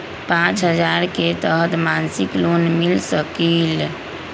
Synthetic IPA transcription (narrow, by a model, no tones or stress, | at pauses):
pãt͡ʃɦəd͡ʒaɾket̪əɦət̪mansiklonmilsəkil